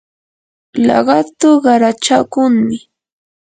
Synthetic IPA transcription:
lɑ̰ɢɑt̪ʊɢɑɾat͡ʃakʊŋmɪ

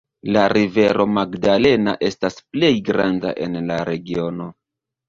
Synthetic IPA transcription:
laɾive̞ɾo̞maɡdale̞na̰ʔe̞stasple̞jɡɾanda̰ʔe̞nlaɾe̞ɡio̞no̞

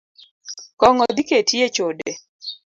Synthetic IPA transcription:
kɔŋɔd̪iketiet͡ʃode

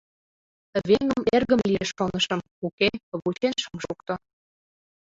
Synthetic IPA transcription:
βeŋəmerɣə̆mlieʃːonəʃə̆m | ukeβut͡ɕenʃəmʃukt̪o

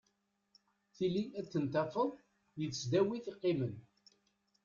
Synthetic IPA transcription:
θiliæt͡sːənt̪æfəðˤ | jəθsd̪æwiθiqːɪmən

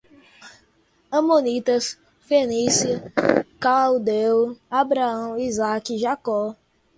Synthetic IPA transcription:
ɐ̃mõnit̪ɐs | fenisikawd̪ewabɾaɐ̃w̃izakiʒakɔ

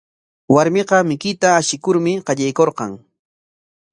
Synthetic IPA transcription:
waɾmɪqɑmɪkɪt̪aːʃɪkʊɾmɪqɑʎajkoɾqɑŋ

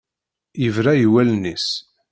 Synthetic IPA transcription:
jəvɾæjəwælnis

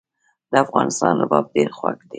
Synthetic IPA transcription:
d̪əafɣɑnɪst̪ɑnlabɑb̚ɖeɾxwakd̪e

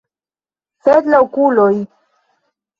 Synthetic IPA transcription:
sed̪laokuloj

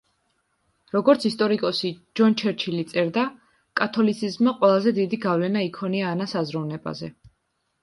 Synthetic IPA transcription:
ɾɔɡɔɾt̪sʰist̪ʼɔɾikʼɔsid͡ʒɔnt͡ʃʰɛɾt͡ʃʰilit̪sʼɛɾd̪a | kʼat̪ʰɔlit̪sʰizmːaqʼwɛlˠazɛd̪id̪iɡavlɛnaikʰɔniaːnasazɾɔvnɛba̰zɛ̰

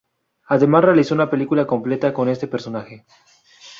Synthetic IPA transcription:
aðe̞masre̞aliso̞unape̞likulako̞mple̞t̪ako̞ne̞st̪e̞pe̞ɾso̞naxe̞

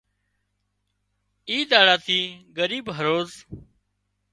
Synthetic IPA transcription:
iːd̪aːɽaːt̪ʰiːɡəɾiːbɦəɾoːz

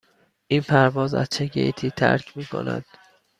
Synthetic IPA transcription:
ʔiːnpʰæɾvɒːzæ̰z̥t͡ʃʰeɟḛjt̪ʰiːt̪ʰæ̰ɾcʰmiːkʰo̞̰næ̰d̪̥

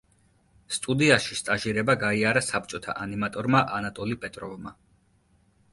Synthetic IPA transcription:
st̪ʼud̪iaʃist̪ʼaʒiɾɛbaɡaiaɾasap̚ʰt͡ʃʼɔt̪ʰa̰ʔanimat̪ʼɔɾmaʔanat̪ʼɔlipʼɛt̪ʼɾɔvma

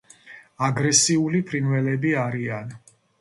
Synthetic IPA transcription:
aɡɾɛsiulipʰɾinvɛlɛbiaɾian

